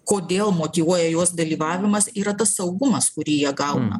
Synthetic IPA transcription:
koːd̪ʲeːlˠmoːt̪ʲiːʋuɔjɛjoɔsd̪ɐlʲiːʋɑːʋʲɪmɐsiːɾɐt̪ɐsːɐʊɡʊmɐskʊɾʲiːjiɛɡɐʊnɐ̰

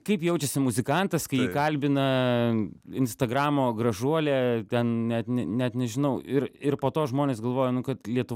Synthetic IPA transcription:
kɐɪpjɛʊt͡ʃʲɛsʲɪmʊzʲɪkɐnt̪ɐskɐɪjiːkɐlʲbʲɪnɐ | ɪnst̪ɐɡɾɑːmoːɡɾɐʒuɔlʲeːt̪ʲɛnnʲɛt̪nʲɛnʲɛt̪nʲɛʒʲɪnɐʊɪɾɪrpoːt̪oːʒmoːnʲeːsɡɐlˠʋoːjɛnʊkɐt̪lʲiɛt̪ʊʋ

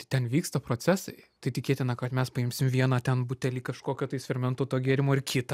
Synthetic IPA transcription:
t̪ɐɪt̪ʲɛnʋʲiːkst̪ɐpɾoːt͡s̪ʲæsɐɪt̪ɐɪt̪ʲɪkʲeːt̪ʲɪnɐkɐt̪mʲɛspɐɪmʲsʲɪmʋʲiɛnɐːt̪ʲɛnbʊt̪ʲɛlʲiːkɐʃkoːkʲoːt̪ɐɪsʲfʲɛɾʲmʲɛnt̪oːt̪oːɡʲeːɾʲɪmoːɪɾkʲɪt̪ɐ

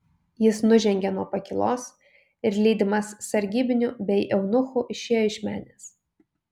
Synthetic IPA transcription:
jɪsnʊʒʲɛŋʲɡʲɛnuɔpɐkʲɪlˠoːs | ɪɾlʲiːd̪ʲɪmɐsːɐɾʲɡʲiːbʲɪnʲuːbʲɛɪʔɛʊnʊxuʔɪʃʲeːjoːɪʃʲmʲæ̰ːnʲeːs

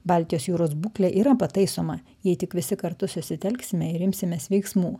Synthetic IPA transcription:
bɑlʲt̪ʲɪjoːsjuːɾoːsbuːklʲɛʔiːɾɐpɐt̪ɐɪsoːmɐ | jɛɪt̪ʲɪkʋʲɪsʲɪkɐɾt̪ʊsʊsʲɪt̪ʲɛlʲksʲɪmʲɛɪɾɪmʲsʲɪmʲɛːsʋʲɛɪksmuː

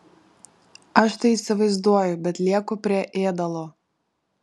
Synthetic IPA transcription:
ɐʃt̪ɐɪisʲɪʋɐɪzd̪uɔjʊbʲɛt̪lʲiɛkʊpʲɾʲiɛʔeːd̪ɐlˠoː

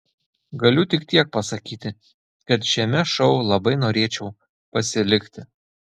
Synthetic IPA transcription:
ɡɐlʲʊt̪ʲɪkt̪ʲiɛk̚pɐsɐkʲiːt̪ʲɪ | kɐt̪ʃʲɛmʲɛʃɒʊlˠɐbɐɪnoːɾʲeɛt͡ʃʲɛʊ | pɐsʲɪlʲɪkt̪ʲɪ

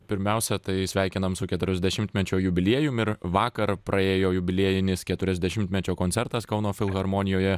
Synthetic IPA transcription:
pʲɪɾʲmʲɛˑʊsʲɛt̪ɐɪsʲʋʲæˑɪkʲɪnɐmsʊkʲɛt̪ʊɾʲɛzʲd̪ʲɛʃʲɪmʲt̪ʲmʲɛt͡ʃʲoːjʊbʲɪlʲiɛjʊmɪɾʋɑːkɐɾpɾʔɐeːjoːjʊbʲɪlʲiɛjɪnʲɪskʲɛt̪ʊɾʲɛzʲd̪ʲɛʃʲɪmt̪ʲmʲɛt͡ʃʲoːkonʲsʲɛɾt̪ɐskɐʊnoːfʲɪlˠɣɐɾmoːnʲɪjoːjɛ

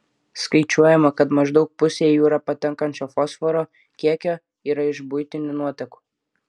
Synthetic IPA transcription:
skɐɪt͡ʃʲuɔjɛmɐkɐt̪mɐʒd̪ɒʊk̚pʊsʲeːjuːɾɐpɐt̪ʲɛŋkɐnʲt͡ʃʲoːfɔsfɔɾoː | kʲiɛkʲoː | iːɾɐɪʒbʊjt̪ʲɪnʲʊnuɔt̪ʲɛku̥ː

